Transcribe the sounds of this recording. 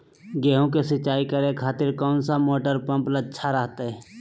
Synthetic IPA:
ɡɛːɦõkesɪt͡ʃːaːikəɾekʰaːt̪ɪɾkɔːnsamoːʈəɾpə̃mplət͡ʃːʃʰaɾəɦt̪aɦɛː

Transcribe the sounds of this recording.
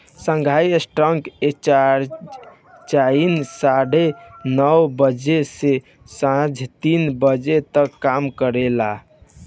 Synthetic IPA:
sə̃ŋɡʱajəsʈɾəŋkea | t͡ʃainsaɽenɔwbəd͡ʒese | sãd͡ʒʱt̪inbəd͡ʒet̪əkːamkəɾela

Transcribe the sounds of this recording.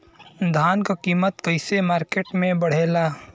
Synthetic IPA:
d̪ʱaːnkakiːmət̪kɐɪsemaːɾkeːʈmẽbɐɽ̤eːlaː

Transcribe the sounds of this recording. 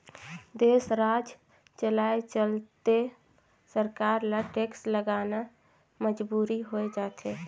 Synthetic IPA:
d̪eːsɾad͡ʒ | t͡ʃəlaet͡ʃəlt̪e | səɾkaɾlaʈeksləɡana | məd͡ʒbuːɾiɦoed͡ʒaːt̪ʰe

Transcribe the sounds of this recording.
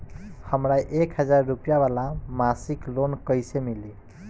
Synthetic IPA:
həmɾajʔekɦəd͡zaɾːupjabalamasiklonkəjsemili

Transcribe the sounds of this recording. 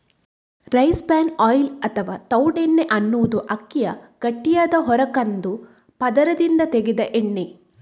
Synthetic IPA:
ɾɐjsbaːnɔːjlɐt̪ʰɐʋaːt̪ɐwɖenːeʔɐnːuʋud̪uʔɐkːijɐɡ̥ɐʈːijaːd̪ɐɦɔɾɐkɐnd̪u | pɐd̪ɐɾɐd̪ind̪ɐt̪eɡed̪ɐʔeɳːe

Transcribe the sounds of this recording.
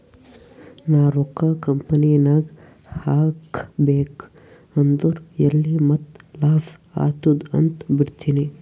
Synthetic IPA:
naːɾokakɐmpɐnijɐnaːɡ | haːkbeːk | ɐnd̪uɾelːimɐt̪laːsa̰ːt̪ud̪ɐ̰nt̪biɽt̪iːni

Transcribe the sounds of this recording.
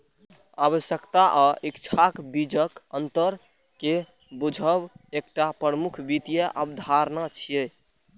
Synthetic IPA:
aβəsjəkt̪aʔɔʔikt͡ʃʰakbid͡ʒəkənt̪əɾ | ke | bud͡ʒʱəbek̚ʈapɾɾəmukʰbit̪ijəʔəbd̪ʱaɾnat͡ʃʰije

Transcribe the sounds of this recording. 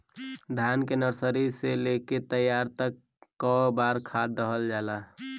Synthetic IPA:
d̪ʱjaːnkenəɾsəɾiseleket̪əjːaːɾt̪əkː | ɔbaːɾkʰaːd̪əɦəld͡ʒaːla

